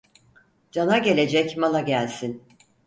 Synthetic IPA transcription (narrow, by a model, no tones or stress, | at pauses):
d͡ʒanaɡe̞lʲe̞d͡ʒɛcmalˠaɟælʲsin